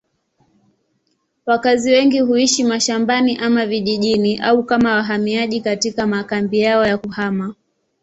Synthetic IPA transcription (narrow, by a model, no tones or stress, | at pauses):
wakaziwɛŋɡiɦuiʃimaʃambaniʔamaviʄiʄiniʔaukamawaɦamiaʄikatikamakambijaɔjakuhama